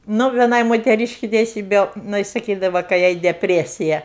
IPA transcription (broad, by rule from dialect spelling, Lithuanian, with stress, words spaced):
ˈnʊ ʋʲiɛˈnɐɪ moːtʲɛˈrʲiːʃʲkʲɪ tʲɛɪˈsʲiːbʲɛ jɪˈnɐɪ sɐˈkʲiːdɐʋɐ kɐɪ ˈjɛɪ dʲɛpʲˈrʲæːsʲɪjɛ